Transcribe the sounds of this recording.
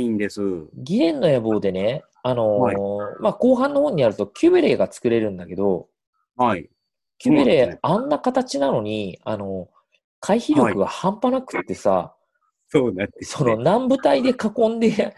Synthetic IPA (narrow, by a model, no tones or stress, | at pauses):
ĩnd̪esɨɡʲiɾẽ̞nːo̞jabo̞ːd̪e̞ne̞ | ano̞maːko̞ːɦãnːo̞ho̞ːɲ̟inaɾɯ̟t̪o̞kʲɨːbeɾe̞ːɡat͡sɨ̥kɯ̟ɾe̞ɾɯ̟̃nd̪ake̞d̪o̞ | ai | kʲɨbeɾe̞ːãnːakat̪at͡ɕinano̞ɲ̟iano̞ | kʰaiçiɾjo̞kɯ̟ɡa̰hãmpanakɯ̟̥t̪ːe̞sa̰ | soːnaso̞no̞nãmbɯ̟t̪aid̪e̞kakõ̞nd̪e̞